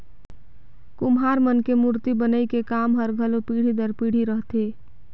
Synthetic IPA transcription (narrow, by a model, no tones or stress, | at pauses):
kumɦaɾmənkemuɾt̪ibənəikekamɦəɾɡʱəlopiɽ̤id̪əɾpiɽ̤iɾəɦt̪e